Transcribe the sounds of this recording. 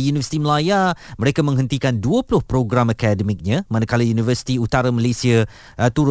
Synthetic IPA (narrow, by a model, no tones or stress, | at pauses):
junivəsit̪iməlajaməɾekamə̃ŋɦənt̪ikanduəpulʊhpɾoɡɾamakadəmik̚ɲə̃mãnakalajunivəsi̥t̪iut̪aɾaməlesiə | t̪uɾʊ